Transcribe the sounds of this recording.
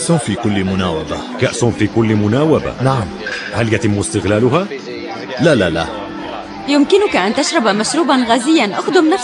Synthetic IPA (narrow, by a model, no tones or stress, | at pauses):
ʔsʊnfikʊlːmʊnaːwaba | kaʔsʊnfiːkʊlːmʊnaːwaba̰naʕmhaljat̪ɪmːɪst̪ɪɣlaːlʊɦa | lalala̰ | jʊmkɪnʊkaʔant̪aʃɾˤɑbmaʃɾuːbanɣaːzɪjːanʔaxd̪ʊmnaf